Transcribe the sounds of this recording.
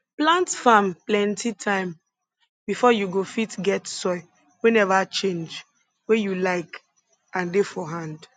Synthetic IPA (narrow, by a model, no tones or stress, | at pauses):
plãntfamplɛ̃ntʰitʰãɪ̃m | bifɔjuɡofitɡɛtsɔɪ | wɛnɛvat͡ʃẽnd͡ʒ | wejulaɪk | ãndefɔɦãnd